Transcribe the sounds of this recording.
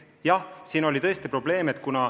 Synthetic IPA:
jɑhsiːnolʲit̪ɤ̞est̪ipro̞b̥le̞ːmet̪ˑkunɑ

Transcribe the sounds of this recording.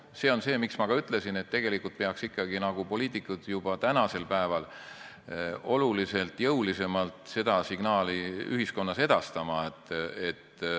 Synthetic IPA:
se̞ːo̞nse̞ːmiksmɑɡ̥ɑyt̪ːˑlesine̞t̪ːe̞ɡ̥e̞likːˑult̪̚peɑksikːˑɑɡ̥inɑɡ̥upo̞lʲiːt̪ːˑikːˑud̪̥jub̥ɑt̪ænɑse̞lpæevɑl | o̞lulise̞lt̪ˑjɤwlise̞mɑlt̪ˑse̞d̪̥ɑsiɡ̥nɑːliy̰hisko̞nːɑse̞d̪̥ɑst̪ɑmɑet̪ːet̪

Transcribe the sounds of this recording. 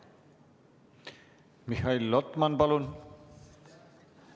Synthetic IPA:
mixailːɔt̪manpalun

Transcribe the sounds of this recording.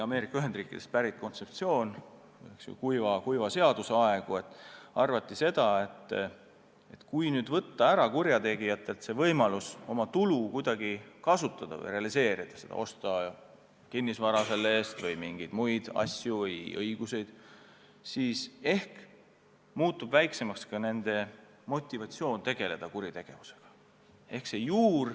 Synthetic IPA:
ɑme̞ːɾikːˑɑyɦe̞nd̪riːkːˑid̥̪e̞st̪̚pæɾit̪̚ːˑko̞nt̪se̞p̚t̪sio̞ːn | vjeksjṵkujvɑkujvɑse̞ɑd̪useɑe̞ɡ̥ue̞t̪ːˑɑrvɑt̪ˑːise̞d̪̥ɑe̞t̪ː | e̞t̪kujnyːd̪vɤt̪ːɑæɾɑkurjɑt̪e̞ɡ̥ijɑt̪ːˑe̞lt̪se̞vɤjmɑluso̞mɑt̪ulukujd̪ɑɡikɑsut̪ːˑɑd̪̥ɑ̰vɤ̰jre̞ɑlise̞ːɾid̪̥ɑse̞d̪ɑ̰o̞st̪ɑ | kinːisvɑɾɑse̞lːe̞ːst̪vɤjmiŋɡ̥id̪̥mujd̪̥ɑ̰sʲjuvɤjɤ̰jɡ̥use̞jd̪̥ | siːse̞hk | muːt̪ːub̥væjkse̞mɑkskɑne̞nd̪̥e̞ | mo̞t̪ʲːˑivɑt̪sio̞ːnt̪e̞ɡ̥e̞le̞d̪̥ɑkuɾit̪e̞ɡ̥e̞vuse̞̥ɡ̥ɑ̥ | e̞hkse̞juːr

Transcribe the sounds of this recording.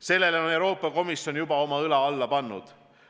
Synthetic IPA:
se̞lːe̞lo̞ne̞wɾo̞ːpːˑɑko̞misjo̞njubɑo̞mɑɯlɑɑlːɑpɑnːṵd̪̥

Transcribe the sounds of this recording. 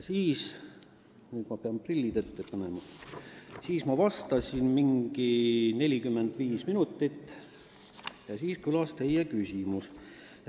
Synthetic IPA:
siːs | nyːd̪mɑpeɑmprilʲːid̪̥et̪ːepɑnemɑ | siːsmɑvɑst̪ɑsʲinmiŋɡ̥ine̞lʲikymːe̞nd̪̥viːsminut̪ːˑit̪ː | jɑsiːskɯlɑst̪e̞jːekysʲimus

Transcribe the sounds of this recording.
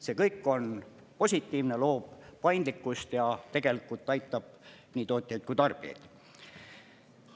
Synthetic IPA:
se̞ːkɤjkːˑo̞n | po̞sʲit̪ːˑiːvne̞lo̞ːb̥pɑjnd̪likːˑust̪jɑt̪e̞ɡ̥e̞likːˑult̪ːˑɑjt̪ˑːɑb̥̚ | niːt̪o̞ːt̪ʲˑjɑjt̪̚kujt̪ɑrb̥iḛjd̪̥

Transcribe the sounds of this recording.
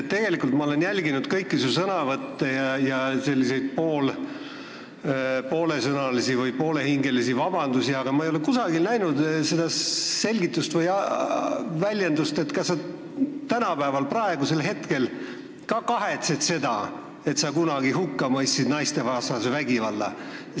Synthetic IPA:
t̪ːe̞ɡ̥e̞likːult̪mɑo̞le̞njælʲɡinud̪̥kɤjkːisusɤnɑvɤt̪ːejɑjɑse̞lʲːise̞jd̪̥̚po̞ːl | po̞ːle̞sɤnɑlisivɯjpo̞ːle̞hiŋɡe̞lisivɑb̥ɑnd̪̥usiɑɡ̥ɑmɑejolekusɑɡ̥ilnæjnud̪se̞d̪ɑse̞lʲɡit̪ːˑust̪vɤjɑ | vælʲjend̪ust̪e̞t̪ːkɑsːɑ | t̪ænɑpæevɑlprɑe̞ɡuse̞lɦe̞t̪ke̞l | kɑkɑɦe̞t̪se̞d̪̥se̞d̪̥ɑ̰ | e̞t̪sɑkunɑɡ̥iɦukːɑmɤjsːid̪nɑjst̪e̞vɑːsnɑsevæɡivɑlːɑ̰

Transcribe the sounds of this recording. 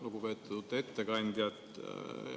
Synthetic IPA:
luɡupe̞ːt̪ːˑut̪ːe̞t̪ːekɑnʲd̪̥jɑt̪

